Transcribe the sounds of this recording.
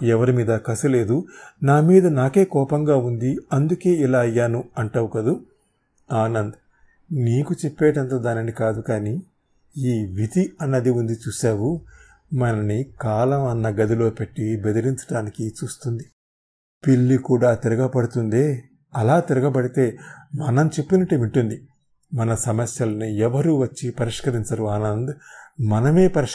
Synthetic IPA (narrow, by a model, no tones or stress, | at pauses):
ɛʋɐɾimiːd̪ɐkɐsule̞ːd̪unaːmiːd̪ɐnaːke̞ːkɔːpɐŋɡaːund̪iɐnd̪uke̞ːilaːɐjːaːnuɐɳʈɐwukɐd̪u | aːnɐnd̪ɐ | niːkut͡ʃɛpːeːʈɐnt̪ɐːd̪aːnɐnikaːd̪ukaːni | iːʋit̪iɐnːɐd̪iund̪it͡ʃuːʃaːwu | mɐnɐnikaːlɐmɐnːɐɡɐd̪ilo̞ːpe̞ʈːibed̪ɐɾiɲt͡ʃɐ̥ʈaːnikit͡ʃuːst̪und̪i | piɭːikuːɽaːt̪iɾɐɡɐpɐɽut̪und̪eː | ɐlaːt̪iɾɐɡɐp̬ɐɽit̪e̞ːmɐnɐmt͡ʃepːinɐʈeːʋiɳʈund̪i | mɐnɐsɐmɐsjɐlɐnuɛʋɐɾuʋɐt͡ʃːipɐɾiʂkɐɾiɲt͡ʃɐɾuaːnɐnd̪mɐnɐme̞ːpɐɾi